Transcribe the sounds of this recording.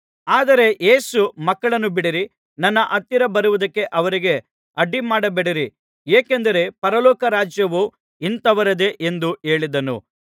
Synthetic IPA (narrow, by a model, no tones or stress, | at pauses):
aːd̪ɐɾe̞ʔe̞ːsumɐkːɐɭɐnːubiɽiɾi | nɐnːɐʔɐt̪ːiɾɐbɐɾuʋud̪ɐkːe̞ʔɐʋɐɾiɡe̞ | ɐɖimaːɽɐbeɽiɾi | eːkend̪ɐɾe̞pɐɾɐlɔːkɐɾaːd͡ʒjɐʋu | int̪ɐʋɐɾɐd̪e̞ʔend̪ue̞ːɭid̪ɐnṵ